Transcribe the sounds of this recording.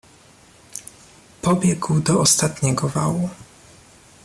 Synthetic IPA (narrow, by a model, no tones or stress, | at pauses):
pɔbʲjɛɡwd̪ɔɔst̪at̪ɲɛɡɔvawu